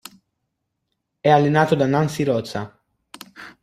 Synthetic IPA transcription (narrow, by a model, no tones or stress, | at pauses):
ɛalːenaːt̪od̪anansiɾɔt̪sa